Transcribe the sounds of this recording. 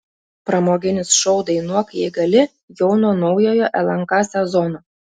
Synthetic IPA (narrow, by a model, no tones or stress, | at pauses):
pɾɐmoːɡʲɪnʲɪsʃɔʊd̪ɐɪnuɔkɐjɛɪɡɐlʲɪ | jɛʊnɔːnɒʊjoːjoʔɛlˠɐŋkɑːsʲɛzɔnoː